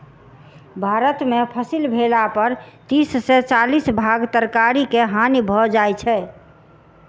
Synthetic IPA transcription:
bʱaɾət̪mepʰəsilbʱelapəɾt̪issɛt͡ʃalisbʱaɡt̪əɾkaɾikeɦanibʱɔd͡ʒajt͡ʃʰɛ

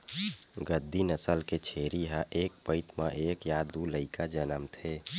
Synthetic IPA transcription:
ɡəd̪ʱːinəsəlket͡ʃʰeɾiɦãʔek̚pəɪt̪mã̰ʔeːkjad̪uləɪkad͡ʒənəmt̪ʰe

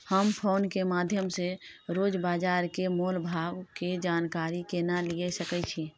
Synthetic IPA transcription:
həmpʰoːnkemad̪ʱjəmseɾoːd͡ʒbaːd͡ʒaɾkemolbʱaːɡked͡ʒaːnkaɾikenaliɛsəkɛt͡ʃʰi

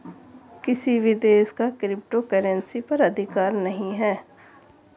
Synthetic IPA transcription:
kɪsiʋɪd̪eːskakɾɪp̚ʈokəɾə̃nsipɐɾɐd̪ʱɪkaːɾnɐɦĩɦɛː

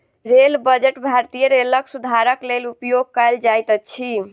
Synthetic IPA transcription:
ɾelbəd͡ʒeʈbʱaɾt̪ijəɾeləksud̪ʱaɾəklelupjoɡ̚kəld͡ʒajt̪ət͡ʃʰi

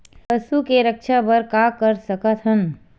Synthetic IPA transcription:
pəsukeɾəkʃʰabəɾkakəɾsəkət̪ɦən

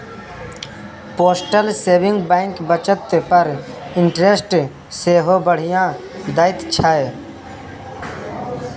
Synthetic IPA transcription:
poːsʈəlseːbɪ̃ŋɡbɛ̃ːŋkbət͡ʃət̪pəɾ | ɪɳʈɾesʈ | seːɦobəɽ̤ijãː | d̪aːɪt̪t͡ʃʰae

